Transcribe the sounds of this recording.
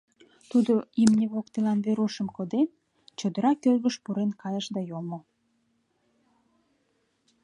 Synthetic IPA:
t̪ud̪oimnʲeβokt̪elɑnβeɾuʃəmkod̪en | t͡ɕod̪əɾɑkørɣəʃpuɾenkɑjəʃd̪ɑjomo

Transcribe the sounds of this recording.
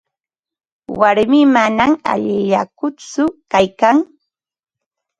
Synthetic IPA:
waɾmɪmanama̰ʎɪʎakʊt͡sʊkajkaŋ

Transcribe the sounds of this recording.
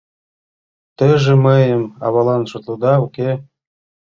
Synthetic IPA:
t̪əʒɘ̆məjəmɑ̰βɑlˠɑnʃŏt̪lˠɤd̪ɑuke

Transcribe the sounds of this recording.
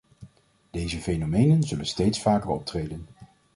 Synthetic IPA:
d̥ejzəfejnomejnənzɵlənstejtsfaːkərɔ̰p̚trejdən

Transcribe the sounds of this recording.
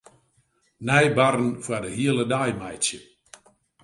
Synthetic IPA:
nɛjbarən̩fwadəɦiələdajmajtsjə

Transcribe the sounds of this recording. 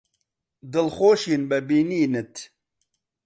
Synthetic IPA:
d̪ɨlxoːʃiːnbɐbiːniːnɨt̪

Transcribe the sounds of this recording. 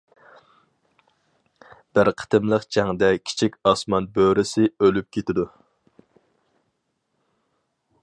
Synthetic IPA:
b̥ɪɾqʰə̥t̪ɨmlˠəqd͡ʒʰæŋd̪ɛkʲʰi̥t͡ʃʰikʲɑsmɑnbøɾɪsɪølyp̚kʲʰet̪ʰɪd̪u

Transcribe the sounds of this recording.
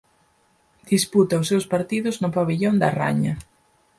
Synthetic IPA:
d̪̥isput̪ɐʊsːewspaɾt̪iðʊznʊpaβiʎond̪ɐ̰ra̰ɲɐ

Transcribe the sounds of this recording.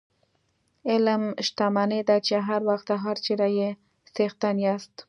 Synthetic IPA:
ɪlmʃt̪amaned̪at͡ʃeɦaɾwaxt̪aɦaɾt͡ʃeɾaje | sext̪anjast̪

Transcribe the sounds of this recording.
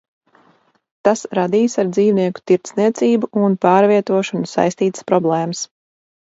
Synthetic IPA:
t̪asɾad̪iːsaɾd̪ziːvniɛku̥t̪iɾt̪sniɛt̪siːbuunpaːɾviɛt̪uɔʃɔnusa̰jst̪iːt̪ɨ̥spɾɔblˠɛːməs

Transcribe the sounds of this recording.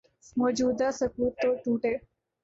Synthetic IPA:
məd͡ʒud̪asəkut̪ːoʈũʈe

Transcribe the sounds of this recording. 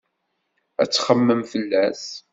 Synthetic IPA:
æ̰t͡sːχəmːəmfəlːæs

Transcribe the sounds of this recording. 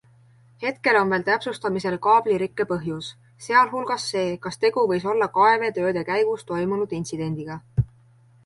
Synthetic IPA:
he̞t̪̚ke̞lo̞nve̞ːlt̪æpsust̪ɑmise̞lkɑːb̥liɾikːe̞pɤɦjus | se̞ɑlɦulɡ̥ɑsːe̞ːkɑst̪e̞ɡ̥uvɤ̞jso̞lːɑkɑe̞ve̞t̪ø̞ːd̪̥e̞kæjɡ̥ust̪o̞jmunud̪̥int̪sid̪̥e̞nʲd̪̥iɡ̥ɑ

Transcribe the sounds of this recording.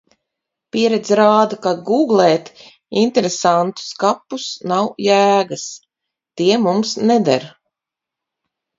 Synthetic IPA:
pʲiɛɾɛd̪zɾaːd̪akaɡuːɡlˠɛːt̪ | int̪eɾesant̪u̥skapːusnawjæːɡas | t̪iɛmumsnɛd̪a̰ɾ

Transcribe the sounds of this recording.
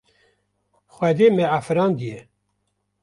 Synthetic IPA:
xwɛd̪eːmɛafɨɾɑːnd̪ijɛ

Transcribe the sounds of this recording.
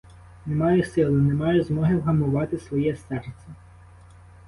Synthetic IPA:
nemɑjʊsɪlˠʊnemɑjʊzmɔɦɪwɦɐmʊʋɑt̪ɪsʋɔjɛsɛrt̪sʲɛ

